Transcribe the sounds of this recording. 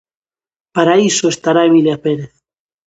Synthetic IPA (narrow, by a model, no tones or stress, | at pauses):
paɾaisoest̪aɾaeβiljapeɾeθ